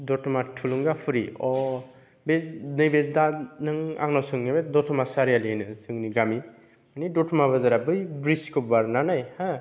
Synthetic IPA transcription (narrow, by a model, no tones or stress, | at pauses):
dɔtʰumatʰuluŋɡapʰɯɾiɔ | beznɯjbezdanɯŋa̰ŋnɔsɯŋnibedɔtʰɔmasaɾijalinɯsɯŋniɡami | manidɔtʰɔmaβazaɾabɯjbɾiskɯbaɾnanajha